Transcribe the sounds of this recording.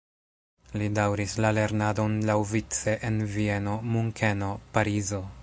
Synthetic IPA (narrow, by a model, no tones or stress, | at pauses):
lidawɾislale̞ɾnado̞nlawvit͡se̞ʔenvie̞no̞muŋkʰeno̞paɾizo̞